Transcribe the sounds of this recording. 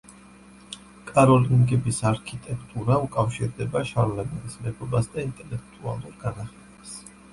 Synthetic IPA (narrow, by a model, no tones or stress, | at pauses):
kʼaɾɔliŋɡɛbisaɾkʰit̪ʼɛkʰt̪ʼuɾaukʼafʃiɾd̪ɛbaʃaɾlaɡanismɛbɔbasd̪aint̪ʼɛlɛk̚ʰt̪ʼua̰lˠuɾɡanaχɛ | s